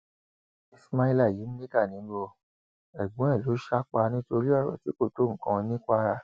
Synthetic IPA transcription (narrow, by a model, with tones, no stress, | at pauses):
i˧sma˧i˧la˦˨ji˨˦mĩ˦li˦ka˦˨nĩ˨˦bo˧ | ɛ˨ɡ͡bũ˨˦ɛ˦˨lo˨˦ʃa˦k͡pa˧nĩ˦to˧ɾi˦ɔ˦˨ɾɔ̰˨ti˨˦ko˦˨to˨˦˨ŋ̩̃˨kã˧nĩ˦ka˦˧ɾa˦˨